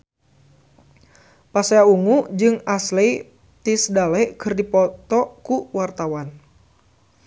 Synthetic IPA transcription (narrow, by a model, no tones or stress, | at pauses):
paseauŋud͡ʒɨŋasle | t̪isdalɛkɨrdipɔt̪ɔkuwart̪awan